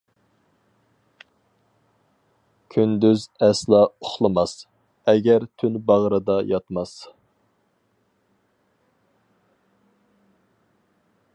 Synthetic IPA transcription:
kʲʰynd̪yzɛslˠɑʊχlˠɨmɑs | ɛɡʲæɾt̪ʰynbɑʁɾɨd̪ɑjɑt̪mɑs

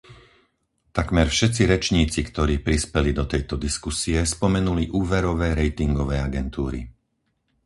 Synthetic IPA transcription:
t̪akmɛɾfʃɛt̪t͡siɾɛt͡ʃɲiːt͡sikt̪ɔɾiːpɾispɛlid̪ɔt̪ɛjt̪ɔd̪iskusiɛspɔmɛnuliʔuːʋɛɾɔʋɛːɾɛjt̪iŋɡɔʋɛːaɡɛnt̪uːɾḭ

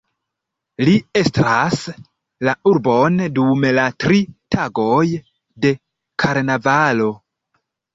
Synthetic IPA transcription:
lie̞stɾas | lauɾbo̞ndumlatɾitʰaɡo̞j | de̞ | kʰaɾnavalo̞

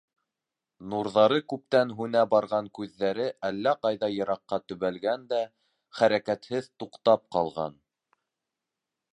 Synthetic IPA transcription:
nuɾðɑɾɤkʉp̚t̪ænɦʉnæbɑɾʁɑŋkʉðːæɾɘʔælːæqɑjðɑjɤ̆ɾɑqːɑt̪ɵ̆βælɡænd̪æ | χæɾækæt̪hɘðt̪uqt̪ɑp̚qɑlˠʁɑ̰n

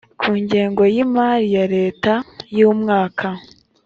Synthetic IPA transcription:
kʰuːɲɟe̞ːŋɡo̞jimaɾijaɾe̞ːtajuːmŋaːkʰa

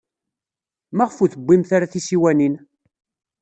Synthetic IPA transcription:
mæʁəfuθəbʷːimθaɾaθisiwænin

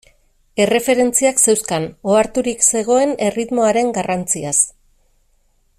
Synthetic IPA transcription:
e̞re̞fe̞ɾe̞nt͡siakse̞wskano̞aɾt̪uɾikse̞ɣ̞o̞e̞ne̞rit̪mo̞aɾe̞ŋɡarant͡sias

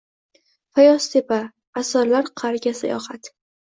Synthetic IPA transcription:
fajɒst̪ʰepʰaː | sɒɾlaɾqʰaɾɡʲasa̰jɒ̰hat̪

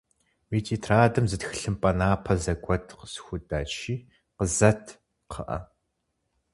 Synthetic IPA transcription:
wiːtʰʼiːtʰraːdɨmzɨtxɨɬɨmpʼɐnaːpʰɐzɐɡʷɔtʰqə̥sxʷʊdaːt͡ʃʰiː | qəzɐtʰ | qʰə̰ʔɐ̰

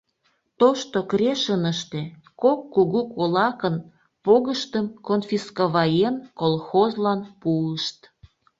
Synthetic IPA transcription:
t̪oʃt̪okɾeʃənəʃt̪e | kokːuɣukolɑkən | poɣəʃt̪əmkonfiskoβɑjenkolˠxozlɑnpuəʃt̪

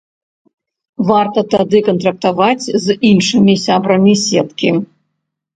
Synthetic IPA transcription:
vart̪ɐt̪ad̪ɨkɐnt̪ɾɐk̚t̪avat͡sʲzinʂɨmʲisʲabɾɐmʲisʲɛt̪kʲi

